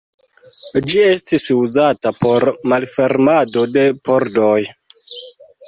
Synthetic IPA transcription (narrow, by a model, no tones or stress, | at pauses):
d͡ʒie̞stisuzatapo̞ɾmalfe̞ɾmado̞de̞poɾdoj